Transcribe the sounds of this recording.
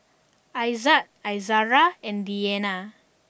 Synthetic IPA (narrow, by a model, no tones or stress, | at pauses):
ajzat̚ajzaɹaɛ̃ndiɛna